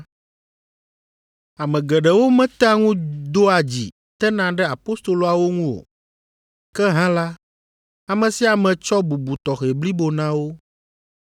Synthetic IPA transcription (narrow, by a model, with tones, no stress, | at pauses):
a˨mɛ̃˨ɡɛ˨ɖɛ˨wo˦mɛ̃˦t̪a˦ŋũ˦d̪o˦a˨d͡ʑḭ˨ | t̪ɛ˦nã˨ɖɛ˦a˨po˦st̪o˨lo˨a˨wo˦ŋũ˦o̰˨ | kɛ˦ɦã˦la˦ | a˨mɛ̃˨si˦a˨mɛ̃˨t͡ʃɔ˦bu˨bu˨t̪ɔ˨xe˨bli˦bo˨nã˦wo˦